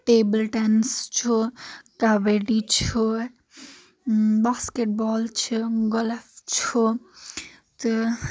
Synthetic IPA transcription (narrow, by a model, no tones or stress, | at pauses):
ʈeːbəlʈenst͡ʃʰukaʋeɖit͡ʃʰu | baːskeʈ̚bɔːlt͡ʃʰiɡɔlft͡ʃʰu | t̪u